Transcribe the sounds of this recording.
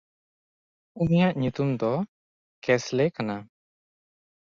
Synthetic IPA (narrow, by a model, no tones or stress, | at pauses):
unijaʔɲut̪umd̪ɔ | kɛslɛkana